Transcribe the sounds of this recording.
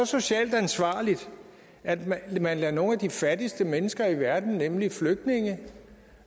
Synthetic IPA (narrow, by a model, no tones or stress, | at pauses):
ɒ̽so̝ɕɛ̰ːld̥ænsʋɑ̰̈ːlid̥ | æd̥mmænlɛɐno̝ːnæd̥ifæd̥isd̥əmenəsɡ̥ɐiʋæɐd̥n̩nemlifløɡ̥̚d̥ne̝ŋə